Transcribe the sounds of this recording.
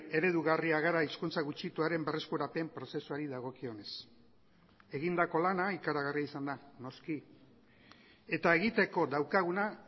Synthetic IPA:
e̞ɾe̞ðuɣariaɣ̞aɾaiskunt͡saɣut͡ʃit̪uaɾe̞mbe̞re̞skuɾape̞mpɾo̞se̞suaɾiðaɣ̞o̞kio̞ne̞s | e̞ɣind̪ako̞lanaikaɾaɣ̞ariaisand̪ano̞ski | e̞t̪ae̞ɣit̪e̞ko̞d̪awkaɣ̞una

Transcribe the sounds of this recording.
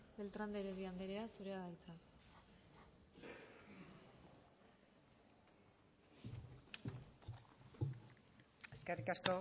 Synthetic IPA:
be̞lt̪ɾand̪eɾeβiand̪eɾeasuɾe̞aɣajt͡sa | eskerikasko̞

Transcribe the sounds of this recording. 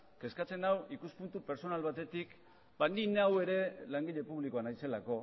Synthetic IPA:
ke̞skat͡se̞nawikuspunt̪upe̞ɾso̞nalβat̪e̞t̪ik | band̪inawe̞ɾe̞laŋɡiʎe̞puβ̞liko̞anajse̞lako̞

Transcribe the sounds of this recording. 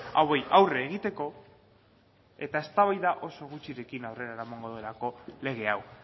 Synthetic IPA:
awejʔawreːɣ̞it̪e̞ko̞ | e̞t̪ae̞st̪aβajðaʔo̞so̞ɣ̞ut͡ʃiɾe̞kinawre̞ɾaeɾamaŋɡo̞ðue̞lako̞le̞ɣ̞e̞aw

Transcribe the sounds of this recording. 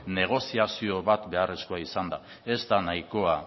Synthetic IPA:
ne̞ɣ̞o̞siasio̞βat̪be̞are̞sko̞aisand̪a | e̞zt̪anajko̞a

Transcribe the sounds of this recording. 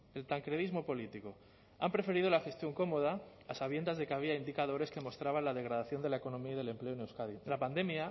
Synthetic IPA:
elt̪aŋkɾeðizmo̞po̞lit̪iko̞ | a̰mpɾe̞fe̞ɾið̞olaxe̞st̪jo̞ŋko̞mo̞ð̞aasaβje̞nd̪azðe̞kaβ̞iaind̪ikað̞o̞ɾe̞ske̞mo̞st̪ɾaβ̞anlaðe̞ɣɾaðaθjo̞nd̪e̞lae̞ko̞nõ̞miaiðe̞le̞mple̞onewskaðilapand̪e̞mja

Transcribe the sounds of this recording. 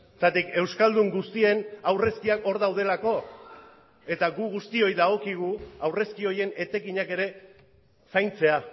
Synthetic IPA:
t̪at̪ike̞wskald̪uŋɡust̪ie̞nawre̞skiako̞ɾðawð̞e̞lako̞ | e̞t̪aɣuɣust̪io̞jðaɣo̞kiɣ̞uawre̞skio̞je̞ne̞t̪e̞kiɲake̞ɾe̞ | sajnt͡se̞a

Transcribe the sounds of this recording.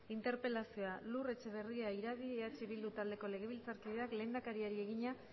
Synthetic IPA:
int̪e̞ɾpe̞lasio̞alure̞t͡ʃe̞β̞e̞riaiɾaðieat͡ʃiβild̪ut̪ald̪e̞ko̞le̞ɣe̞β̞ilt͡saɾkiðe̞akle̞ːnd̪akaɾiaɾie̞ɣ̞iɲa

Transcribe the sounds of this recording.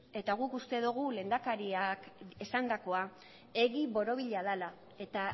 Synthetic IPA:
e̞t̪aɣ̞ukust̪e̞ðuɣ̞ule̞ːnd̪akaɾiakesand̪ako̞a | e̞ɣiβo̞ɾo̞β̞iʎaðala | e̞t̪a

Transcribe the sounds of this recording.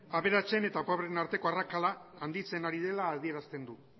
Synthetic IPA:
aβe̞ɾat͡se̞ne̞t̪apaβɾenaɾt̪e̞ko̞arakalaːnd̪it͡se̞naɾiðe̞laːðie̞ɾast̪e̞nd̪u

